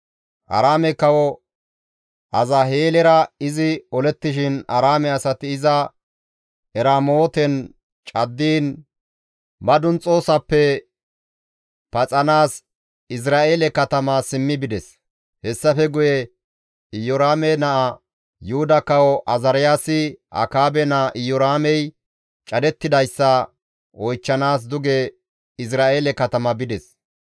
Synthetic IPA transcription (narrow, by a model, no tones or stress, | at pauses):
ʔɐ̰ɾaːmɛkɐwɔ | ʔɐzɐɦeːlɛɾɐɪzɪɔlɛt̪ːɪʃɪnɐ̰ɾaːmɛɐsɐt̪ɪɪzɐ | ɛɾaːmoːt̪ɛn | t͡ʃʼɐd̪ːiːn | bɐd̪ʊnt͡sʼo̞ːsɐpːɛ | pɐt͡sʼɐnaːs | ɪs̬ɾaːʔeːlɛkɐt̪ɐmɐsɪmːɪbɪd̪ɛs | hɛsːɐfɛɡʊjɛ | ɪjɔɾaːmɛnɐʔɐ | jʊhʊd̪ɐkɐwɔʔɐzɐɾɪjaːsɪʔɐ̰kaːbɛnɐʔɪjːɔɾaːmɛj | t͡ʃʼɐd̪ɛt̪ːɪd̪ɐjsːɐ | ɔjt͡ʃːɐnaːs̬d̪ʊɡɛ | ɪs̬ɾaːʔeːlɛkɐt̪ɐmɐbɪd̪ɛs